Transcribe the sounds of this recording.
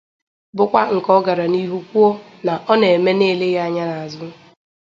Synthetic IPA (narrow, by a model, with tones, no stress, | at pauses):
bʊ˦kʷa˦ŋ̩˨kɔ˦ɡa˨ɾa˨ni˦ɦu˦kʷu˦ɔ˦ | na˨ʔɔ˦ne˨e˨me˦ne˦˨le˦ɣa˦˨ɲa˦na˨a˨zʊ˦